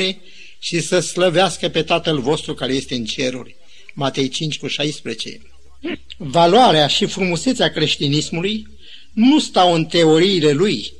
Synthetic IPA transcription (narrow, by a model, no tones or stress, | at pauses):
e̞ | ʃisəsləveaskəpe̞t̪at̪əlvo̞st̪ɾukaɾe̞je̞st̪e̞ɨnt͡ʃe̞ɾṵrʲ | mat̪e̞jt͡ʃint͡ʃʲkuʃajspɾet͡ʃe̞̰ | valwaɾeaʃifɾumuse̞t̪seakɾe̞ʃt̪inismuluj | nust̪awɨnt̪e̞o̞ɾiːle̞luj